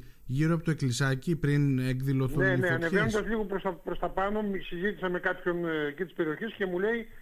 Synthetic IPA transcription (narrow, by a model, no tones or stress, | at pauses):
ʝiɾoɐpot̪oe̞klisɐcipɾineɡðilo̞θuneneɐnevenond̪ɐzliɣopɾost̪ɐpɾo̞st̪ɐpɐno̞misizit̪isɐme̞kɐpço̞ncet̪ispe̞ɾio̞çesce̞mule̞i